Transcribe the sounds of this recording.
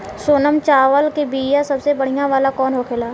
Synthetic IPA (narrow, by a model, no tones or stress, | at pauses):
soːnəmt͡ʃaːʋəlkebiːjãsəbsebəɽ̤ijãʋaːlakɔːnɦoːkʰelaː